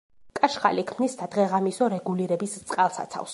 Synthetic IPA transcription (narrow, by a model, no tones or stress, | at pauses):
kʼaʃχa̰likʰmnisd̪ʰad̪ʁɛʁamisɔɾɛɡuliɾɛbist̪sʼqʼalˠsa̰t̪sʰa̰fs